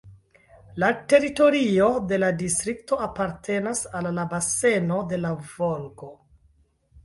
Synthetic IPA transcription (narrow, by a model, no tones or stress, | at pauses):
late̞ɾito̞ɾio̞de̞ladistɾikto̞apaɾtʰe̞nasalːabase̞no̞de̞lavolko